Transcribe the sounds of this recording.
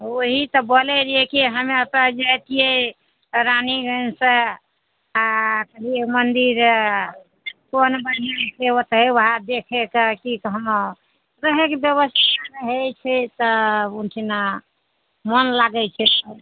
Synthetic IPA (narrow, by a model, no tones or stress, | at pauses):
oɦit̪ɔbolɛɾiɦekiɦəmeət̪əd͡ʒajt̪ije | ɾaniɡənsə̃ | akəɦiemənd̪iɾ | konbəniasewot̪ɦewɦad̪ekʰekəkikəɦlo | ɾəɦekebjəβəst̪ʰaɾəɦɛt͡ʃʰɛt̪əunʈʰina | mənlaɡɛt͡ʃʰɛt̪ə